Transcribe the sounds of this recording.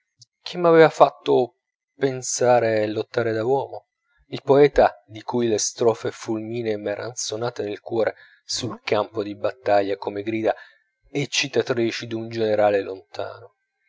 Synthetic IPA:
k̟ʰimːavɛːvafat̪ːo | pensaːɾelːot̪ːaːɾed̪awɔːmo | ilpoɛːt̪ad̪ikujlest̪ɾɔːfefulmiːnemɛːɾʔa̰nsonaːt̪enelkwɔːɾʔe | sulkampod̪ibat̪ːaʎːakomeɡɾiːd̪a | et͡ʃːit̪ːat̪ɾiːt͡ʃid̪und͡ʒeneɾaːlelont̪ʰa̰ːno

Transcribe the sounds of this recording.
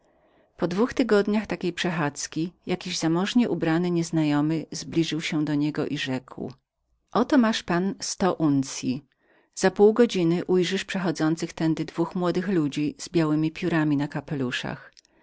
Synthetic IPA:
pɔd̪vuxt̪ɘɡɔd̪ɲaxt̪akʲejpʂɛxat̪skʲijakʲiʑzamɔʐɲɛʔubɾanɘɲɛznajɔmɘzblʲiʐɘwɕɛd̪ɔɲɛɡɔ̰ʔiʐɛkw | ʔɔt̪ɔmaʂpanst̪ɔʔunt̪sʲji | z̥apuwɡɔd͡ʑinɘʔujʐɘʂpʂɛxɔd̪zɔnt̪sɘxt̪ɛnd̪ɘd̪vuxmwɔd̪ɘxlud͡ʑiz̥bʲjawɘmʲipʲjuɾamʲinakapɛluʂa̰x

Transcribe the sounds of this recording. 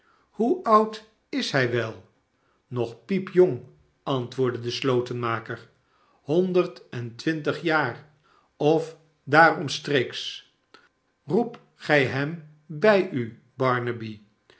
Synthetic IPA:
huʌwt | ɪsɦɛjʋɛlˠ | nɔχpipjoŋ | ɑntʋʊːɹdədəslowtənmaːkəɹ | hɔndəɹtɛntʋɪntəχjaːɹ | ɔf | daːrɔmstreːks | rup | χɛjɦɛm | bɛjy | bɑɹnəbi

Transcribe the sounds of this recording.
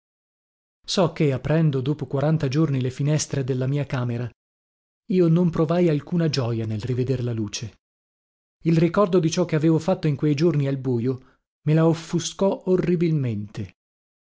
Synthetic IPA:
sɔk̟ːeapːɾɛnd̪od̪oːpokwaɾant̪ad͡ʒornilefinɛst̪ɾed̪elːamiːakaːmeɾa | iːonompɾovajalkuːnad͡ʒɔːjanelrived̪erlaluːt͡ʃe | ilrikɔrd̪od̪it͡ʃɔk̟ːeaveːvofat̪ːoiŋkwejd͡ʒornialbuːjo | melaofːuskɔorːibilment̪e

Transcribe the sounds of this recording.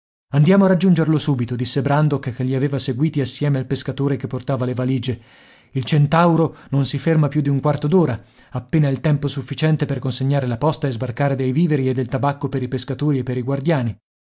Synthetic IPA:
and̪jaːmoarad͡ʒːund͡ʒerlosuːbit̪od̪isːebɾand̪okkːeʎːiaveːvaseɡwiːt̪iasːjɛːmealpeskat̪oːɾekepːort̪aːvalevaliːd͡ʒe | ilt͡ʃent̪awɾononsifermapjud̪ːiuŋkwart̪od̪oːɾa | apːeːnailt̪ɛmposufːit͡ʃɛnt̪eperkonseɲːaːɾelapɔst̪aezbarkaːɾed̪ejviːveɾied̪ːelt̪abakːopeɾipeskat̪oːɾiepːeɾiɡward̪jaːni

